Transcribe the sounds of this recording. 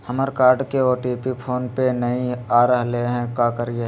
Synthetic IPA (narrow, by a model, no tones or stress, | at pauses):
həməɾkaːɾɖkeoːɾʈiːpipʰoːnpenɐɦĩaːɾəɦleɦɛ̃kaːkəɾie